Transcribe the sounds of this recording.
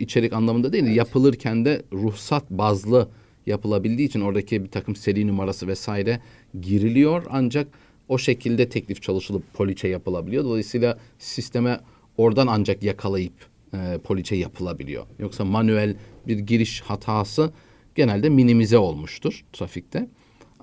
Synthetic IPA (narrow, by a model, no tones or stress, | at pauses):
it͡ʃʰe̞ɾicanlˠamɯnd̪ad̪eilʲjapʰɯlˠɯɾcʰænd̪ɛɾuhsat̪bazlˠɯ | japʰɯlˠabilʲd̪iːt͡ʃʰino̞ɾd̪acʰibit̪ʰakʰɯmse̞ɾinumaɾasɯvɛsaːiɾɛ | ɟiɾilʲijo̞ɾa̰nd͡ʒak | o̞ʃe̞cʰilʲd̪ɛt̪ʰɛclʲift͡ʃʰalˠɯʃɯlˠɯpʰːo̞lʲit͡ʃʰɛjapɯlˠabilʲijod̪o̞lˠajisɯjːlˠasist̪ʰe̞mɛ | o̞ɾd̪anand͡ʒakjakʰalˠajɯpː | pʰo̞lʲit͡ʃʰɛjapʰɯlˠabilʲḭjo̞̰jo̞ksamanyælʲbiɾɟiɾiʃhat̪ʰaːsɯ | ɟ̥e̞nælʲd̪ɛminimizɛo̞lˠmuʃt̪ʰuɾ̥t̪ʰɾafic̚t̪ʰɛ